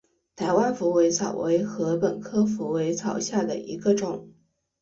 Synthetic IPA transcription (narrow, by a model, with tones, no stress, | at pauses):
t̪ʰa˧˥ɪwa˥nfu˧˥we˧˥ɪt͡sʰɑ˨˩ʊwe˧˥ɪxɤ˧˥pə˨˩nkʰɤ˥fu˧˥we˧˥ɪt͡sʰɑ˨˩ʊɕja˥˩d̪ə̰˩ḭ˧˥ɡə˧ʈ͡ʂʊ˨˩˦ŋ